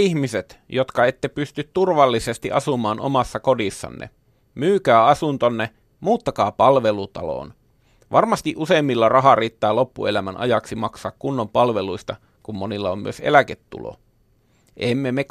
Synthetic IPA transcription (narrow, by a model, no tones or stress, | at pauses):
ihmiset̪jot̪kɑet̪ːepyst̪yt̪t̪urʋɑlːisest̪iʔɑ̰sumɑːnʔo̰mɑsːɑkodisːɑ̰nːḛ | myːkæːɑsunt̪onːe | muːt̪ːɑkɑːpɑlʋelut̪ɑ̰lo̰ːn | ʋʔɑrmɑst̪iʔuseːmːilːɑrɑɦɑriːt̪ːɑːlo̞pːṵelæmænʔɑ̰jɑksimɑksɑːkkunːompɑlʋeluist̪ɑ | kummonilːɑommy̰øsḛlæket̪ːṵlo̰ | ʔemːemek